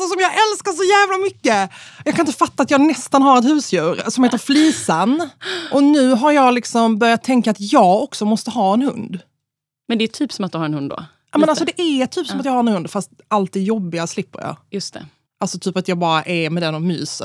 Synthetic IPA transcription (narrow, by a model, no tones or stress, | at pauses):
sɔsɔmjɑːɡʔɛlskaʂɔjæːvlamʏkːəjɑkʰanɪnt̪əfat̪ːaːt̪jɑːɡnɛst̪anɦaɾɛt̪hʉ̟ːsjʉ̟ːɾsɔmheːt̪əɾfliːsanʔɔnʉ̟ːɦaɾjɑːɡlɪksɔmbœɾjat̪ʰːɛŋkaːt̪jɑːɡɔksɔmɔst̪əɦɑːɛnhɵ̰nd̪ | mɛnd̪ɛːt̪ʰyːpsɔmat̪̚d̪ɵhaɾɛnhɵnd̪d̪o̰ | ɑmɛnalsɔd̪ɛʔæt̪ʰyːpsɔmat̪jɑːhaɾɛnhɵnd̪fast̪alt̪̚d̪ɛjɔbːɪaslɪpːə̰ɾjɑ̰ːjɵst̪ɛ̰ | ʔalsɔt̪ʰyːpat̪jɑːɡbɑːɾaʔɛɾmɛd̪ɛnːɔmy̰ːsə̰